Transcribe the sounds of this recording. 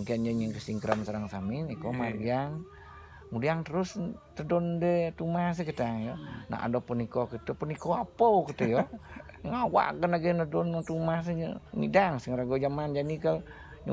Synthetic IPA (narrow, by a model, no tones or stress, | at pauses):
ŋkiand͡ʒəɲəŋkəsiŋkɾamsəɾaŋsamɪnikomariaŋ | mudiaŋt̪əɾʊs | t̪ədɔndət̪umas̬əkət̪aŋjɔna̰a̰dɔpənikɔkit̪upənikɔapɔwkit̪ujɔ | ŋawa̰ʔkənaɡenədɔnt̪umas̬əɲə̰mḭdaŋsiŋɾaɡod͡ʒamand͡ʒanikəl | ɲ